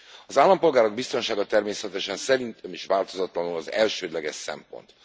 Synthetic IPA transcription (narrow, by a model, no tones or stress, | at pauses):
ɒzaːlːɒmpo̞lɡaːɾo̞ɡbist̪o̞nʃaːɡɒt̪ɛrmeːsɛt̪ɛʃɛnsɛɾint̪ømiʃʋaːlt̪o̞zɒt̪lɒnulɒzɛ̰lʃøːd̪lɛɡɛʃsɛ̰mpo̞̰nt̪